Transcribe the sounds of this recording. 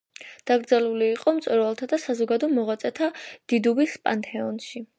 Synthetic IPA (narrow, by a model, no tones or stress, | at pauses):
d̪̥aɡɾd̪zɛluliːqʼɔmt̪sʼɔɾvalˠt̪ʰad̪asazɔɡad̪ɔmɔʁat̪sʼɛt̪ʰad̪̥id̪ubispʼant̪ʰʼɛɔnʃi